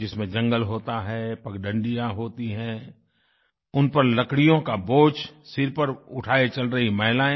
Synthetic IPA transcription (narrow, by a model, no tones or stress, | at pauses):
d͡ʒɪsmẽd͡ʒɐ̃ŋɡəlɦoːt̪aɦɛpɐkɖə̃ɳɖijãɦoːt̪iɦɛ̃ː | ʊnpɐɾlɐkɽijõkaboːt͡ʃsɪɾpɐɾʊʈʰaːet͡ʃɐlɾɐɦimɐɦɪlaːẽ